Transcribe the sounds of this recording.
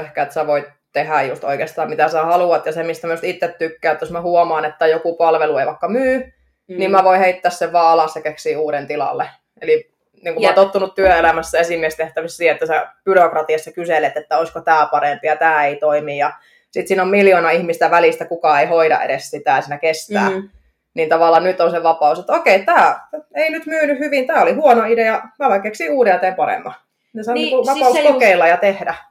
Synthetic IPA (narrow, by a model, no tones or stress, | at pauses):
yhkæet̪sæʋoit̪ | t̪ehæjjust̪o̰ikeːst̪ɑːmmit̪æsæhɑluɑt̪jɑsemist̪æmæjust̪it̪ːet̪tykːæːet̪ːjosmæhuomɑːnet̪ːæjokupɑlʋelueiʋɑikːɑmyː | niːmmæʋoiheit̪ːæːsseʋʋɑːɑlɑssekeksiːuːɾent̪ilɑ̰lːe | eli | niːŋkummɑːnt̪ot̪ːunut̪t̪yøelæmæsːæesimiest̪eht̪æʋisːsiːet̪ːæsæb̥yrokrɑt̪iɑsːɑkyselet̪et̪ːæoiskot̪æːpɑrempijɑt̪æːeit̪oimijɑ | sit̪siːnommiljonɑihmist̪æʋælist̪ækukɑeihoidɑ̰ʔḛɾessit̪æːsiːnækest̪æ̰ː | nint̪ɑʋɑˑlːˑɑnnyt̪onseʋɑpɑˑuset̪okeit̪æːeinyt̪myːnyhyʋint̪æːolihuonoidejɑmælækeːksiuːdeɑt̪eːmpɑrḛmːɑ̰ | nesɑnkuʋɑpɑˑusskokeilːɑjɑt̪ehdæ